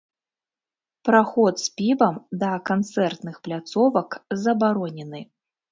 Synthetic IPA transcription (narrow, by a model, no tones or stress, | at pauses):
pɾaxɔt̪spʲibɐmd̪ɐkant̪sɛrt̪nɨxplʲat̪sɔvɐkzɐbaɾɔnʲɛnɨ